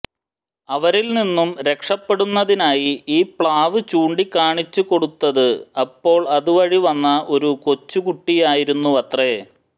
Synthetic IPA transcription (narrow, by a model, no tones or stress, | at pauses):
ɐʋɐɾilninːumɾe̞kʂɐpːe̞ɽunːɐðinaːjiiːpɭaːʋɨt͡ɕuːɳɖikːaːɳit͡ɕːuko̞ɽut̪ːɐðɨɐpːo̞ːɭɐðuʋɐɻiʋɐnːɐʔo̞ɾuko̞t͡ɕːukuʈːijaːjiɾunːuɐt̪re